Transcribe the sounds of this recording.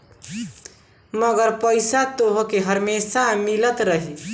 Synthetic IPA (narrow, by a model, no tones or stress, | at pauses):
məɡəɾpəɪsat̪oɦokeɦəɾmesamilət̪ɾəɦi